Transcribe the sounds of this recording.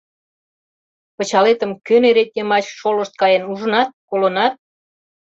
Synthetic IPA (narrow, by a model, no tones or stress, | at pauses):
pə̆t͡ɕɑlet̪ə̆mkøneɾet̪̚ʲnʲemɑt͡ɕʃoləʃt̪̚kɑjenuʒə̆nɑt̪̚kolonɑt̪̚